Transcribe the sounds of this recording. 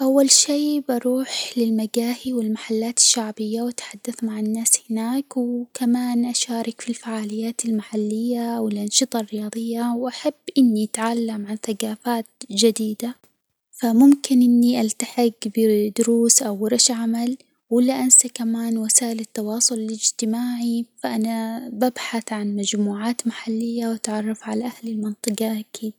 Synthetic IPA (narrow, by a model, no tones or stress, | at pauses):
ʔawːalʃeːbʔɑɾˤuːħlɪlmaɡaːhiwɪlmaħalːaːt̪ɪ̥ʃːaʕbɪjːawʔat̪ħad̪ːaθmaʕɪnːaːshɪnaːkwkamaːnʔaʃaːɾˤɪkfilfaʕaːlɪjːaːt̪ɪlmaħalːɪjːawɪlʔɑnʃɨt̪ˤɑrːɪjɑːðˤɨjːawʔaħabːʔɪnːiʔat̪ʕalːamʕanθaɡaːfaːt̪̚d͡ʒad̪iːd̪a | famʊmkɪnʔɪnːiʔalt̪aħɪɡbɪd̪ʊɾuːsʔawɾɑʃʕamal | wɪlːaʔansakamaːnwasaːʔɪlɪt̪ːɑwɑːsˤʊlɪlɪd͡ʒt̪ɪmaːʕifaʔanababħaθʕanmad͡ʒmuːʕaːt̪maħalːɪjːawat̪ʕɑrˤːɑfʕalaʔahlɪlmɨnt̪ˤɨqaʔkʰiːd̪